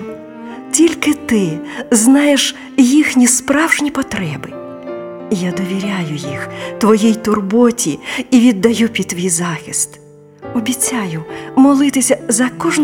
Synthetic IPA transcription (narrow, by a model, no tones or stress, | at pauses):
tʲilʲkɪt̪ɪznɑjeʂ | jixnʲispɾawʐnʲipɔt̪ɾɛbɪ | ijad̪ɔʋʲiɾʲajʊjixt̪ʋɔjɛjt̪ʊrbɔtʲiːʋʲid̪ːɐjupʲit̪ʋʲijzaxʲist̪ | ɔbʲit͡sʲːajʊmɔlˠɪt̪ɪsʲɐzɐkɔʐn